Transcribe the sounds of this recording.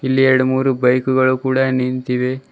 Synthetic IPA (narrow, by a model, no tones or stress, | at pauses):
ilːiɛɾɐɽumuːɾubɐjkuɡɐɭukuːɽɐnint̪iʋe